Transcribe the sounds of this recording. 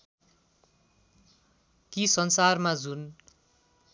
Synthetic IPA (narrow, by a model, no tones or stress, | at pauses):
kisʌnsarmad͡zun